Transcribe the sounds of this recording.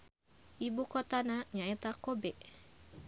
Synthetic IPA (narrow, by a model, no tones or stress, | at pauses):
ʔibukot̪anaɲaet̪akobɛʔ